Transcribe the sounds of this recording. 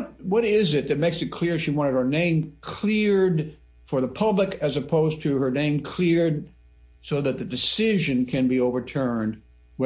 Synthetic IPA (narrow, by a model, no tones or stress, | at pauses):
t̚wʌɾɪzɪt̪̚ðɨt̚meɪksɨt̚kʰl̥ɪɹʃiwɑ̃ɾ̃ɨɾə˞nẽɪ̃mkʰl̥ɪɹd | fə˞ðəpʰʌblɨkɨzɨpʰoʊztʰɨə˞nẽɪ̃mkʰl̥ɪɹd̚ | soʊðɨt̪̚ðɨdɨsɪʒɨ̃nkʰɨ̃nbioʊvə˞tʰɜ̃˞nd | w